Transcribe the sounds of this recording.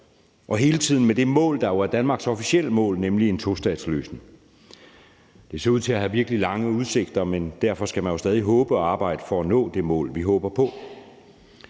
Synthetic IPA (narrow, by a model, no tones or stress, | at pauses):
ʔɒ̽ɦe̝ːlət͡sʰiðˠn̩med̥e̝mɔ̰̽ːld̥ɑ̈jo̝æɐd̥ænmɑ̈ːɡ̥sɒ̽fisiel̰əmɔ̰̽ːlnemlie̝nt͡sʰo̝sd̥ɛ̰ːd̥slø̰ːsneŋ | d̥e̝se̝ɐuð̰ˠt͡sʰe̝æɦæʋiɐɡ̥əlilɑ̈ŋəuð̞ˠse̝ɡ̥d̥ɐmend̥æɐfɒ̽sɡ̥æmænjo̝sd̥ɛːð̞ˠiɦɔ̽ːb̥əɒɑ̈ːb̥ɑ̈ɪ̰d̥əfɒænɔ̰̽ːd̥e̝mɔ̰ːlʋiɦɔ̽ːb̥ɐpʰɒ̽